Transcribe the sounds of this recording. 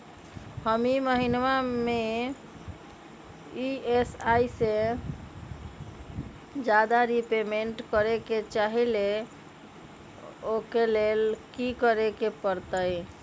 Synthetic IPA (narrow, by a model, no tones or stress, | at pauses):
həmiməɦinʋame | iesajse | d͡ʒad̪aɾipemeɳʈkəɾeket͡ʃaɦile | okelelkikəɾekepəɾt̪əj